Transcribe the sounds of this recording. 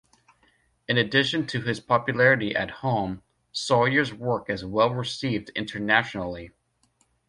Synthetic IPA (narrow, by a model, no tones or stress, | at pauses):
ɨ̃nɨdɪʃɨ̃ntʰɨɨz̥pʰɑpjɨlɛɹɨɾiʔɨ̰t̚hõʊ̃m | sɔlˠjə˞zwɜ˞kɨzwɛlˠɹɨsivdɪ̰̃ntʰə˞næʃnl̩ˠi